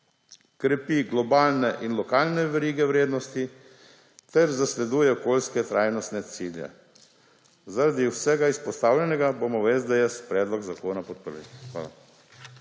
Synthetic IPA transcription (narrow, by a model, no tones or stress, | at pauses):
kɾɛpiɡlɔbaːlnɛʔinlɔkaːlnɛʋɛɾiːɡɛwɾeːd̪nɔst̪i | t̪ɛɾzaslɛd̪uːjɛɔkoːlskɛt̪ɾaːjnɔst̪nɛt̪siːljɛ̰ | zaɾad̪iwsɛɡaispɔst̪aːwlʲɛnɛɡabomɔʋezd̪ɛjɛspɾɛːd̪lɔɡzakoːnapɔt̪̚pəɾʋḭxʋa̰ːla̰